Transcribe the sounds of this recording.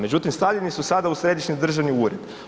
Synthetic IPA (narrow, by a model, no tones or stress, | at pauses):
me̞d͡ʑut̪imst̪alinisusad̪ausɾe̞d̪iʃɲid̪r̩ʒaʋniuːɾed̪